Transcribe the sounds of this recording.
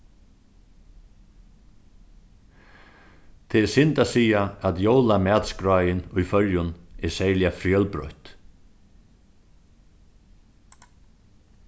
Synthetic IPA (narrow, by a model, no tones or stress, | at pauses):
t̪ʰɛɛsɪnt̪asiːjaat̪jowlamæːt̪skɾaːjɪnʊjfœɾjʊnɛsɛjlɪjafɾjœlpɾɔ̰ht̪